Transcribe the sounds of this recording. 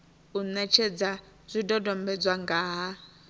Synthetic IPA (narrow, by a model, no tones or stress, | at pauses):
unɛt͡ʃʰɛd͡za | zʷidɔdɔmbɛd͡zwaŋɡaːɦa